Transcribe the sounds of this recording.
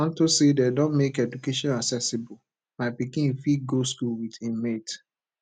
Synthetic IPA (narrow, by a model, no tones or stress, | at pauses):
ãntosededɔ̃nmekɛdukeʃɔ̃naksɛsibɔl | maɪpikĩfiɡoskulwidĩmet